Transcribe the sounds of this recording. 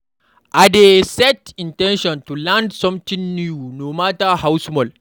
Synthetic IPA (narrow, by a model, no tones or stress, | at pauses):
ʔadesɛtĩntɛ̃nʃɔ̃ntulãndsɔ̃mtĩŋnjunomatahawsmɔl